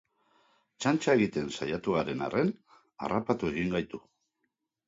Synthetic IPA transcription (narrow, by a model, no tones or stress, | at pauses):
t͡ʃant͡ʃaeɣit̪e̞nsa̰jat̪uɣaɾe̞na̰re̞n | a̰rapat̪ue̞ɣiŋɡajt̪u